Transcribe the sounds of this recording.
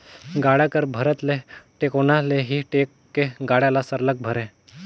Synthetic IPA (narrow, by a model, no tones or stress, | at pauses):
ɡaɽjakəɾbʱəɾət̪leʈekonaleɦiʈekːeɡaɽjalasəɾlək̚bʱəɾẽ